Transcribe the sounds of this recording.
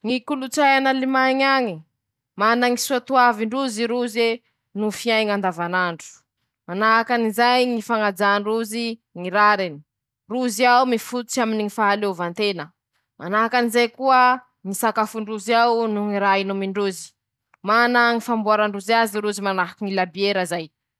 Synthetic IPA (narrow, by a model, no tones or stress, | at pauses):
ŋikulut͡sajanalimaɲaɲi | manaŋisuat̪uaviɳɖ͡ʐuziɾuze | nufiajŋand̪avanaɳɖ͡ʐu̥ | manaɦakanizajŋifaŋad͡zaɳɖ͡ʐuziŋiɾaɾini̥ | ruziawumifut̪u̥t͡ʃaminiŋifaɦalevant̪enə | manaɦakanizajkuə | ŋisakafuɳɖ͡ʐuziawnuŋiɾainumiɳɖ͡ʐuzi̥ | manaŋifambuaɾaɳɖ͡ʐuzaziɾuzimanaɦakiŋilabieɾəzaj